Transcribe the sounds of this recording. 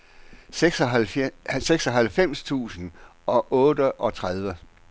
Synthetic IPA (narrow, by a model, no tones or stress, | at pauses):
ɡ̥sɒælseɡ̥sɒ̽ɦælfem̰st͡sʰṵːsn̩ʔɒ̽ʔɔːdəʔɒ̽t͡sʰʁað̞ˠʋə